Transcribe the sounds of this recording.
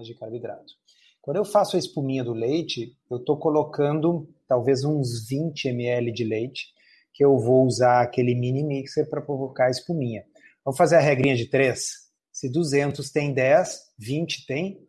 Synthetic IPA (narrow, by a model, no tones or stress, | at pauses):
d͡ʒɪkaɾbid̪ɾa̰t̪ʊ̥ | kʷwɐ̃nd̪ʊewfasʊɐɪspumĩɲɐd̪ʊlejt͡ʃɪ | ewt̪okolokɐ̃nd̪ʊt̪awvezũzvĩnt͡ʃɪemɪɛlɪd͡ʒɪlejt͡ʃɪ̥ | kɪewvowuzaɾakelɪmĩnimikseɾpɾɐpɾovokaɐɪspumĩɲɐ | vɐ̃mʊfazeɾɐɦɛɡɾĩɲɐd͡ʒɪt̪ɾesː | ɪd̪uzẽnt̪ʊst̪ẽj̃d̪ɛsvĩnt͡ʃɪ̥t̪ẽj̃